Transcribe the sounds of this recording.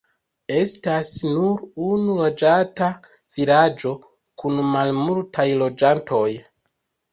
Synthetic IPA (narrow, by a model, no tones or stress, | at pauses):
e̞stasnuɾunulo̞d͡ʒata | vilad͡ʒo̞ | kunmalmultʰajlo̞d͡ʒantʰo̞j